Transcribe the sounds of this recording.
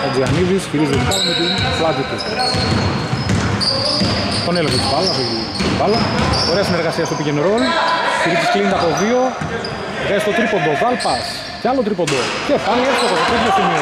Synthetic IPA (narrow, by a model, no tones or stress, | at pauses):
ɐd͡ziɐniðisçiɾizðeitɐzmet̪iplɐt̪it̪u | t̪o̞nelexot̪ipɐlɐsoi | ipɐlɐoɾe̞ɐsine̞ɾɣɐsiɐst̪opicenɾonçiɾizisklint̪ɐpovio̞ | ɣest̪ot̪ɾipo̞nd̪ovɐlpɐs | cealot̪ɾipo̞nd̪ocepaliefot̪ot̪it̪esit̪osimio